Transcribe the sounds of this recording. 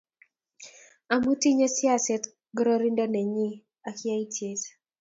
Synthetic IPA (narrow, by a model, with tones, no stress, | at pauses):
a˨mu˦ti˦ɲe˦sja˦sɛ˨˦t | ɡɾɔ˦ɾi˦ndɔ˦nɛ˨ɲi˦ | a˨ki˦a˦i˦tʰje˦s